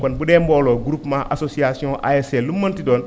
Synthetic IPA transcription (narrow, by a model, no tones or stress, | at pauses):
konbudemboloɡuɾupmaʔasosiasiõʔa̰eselumːɐntidon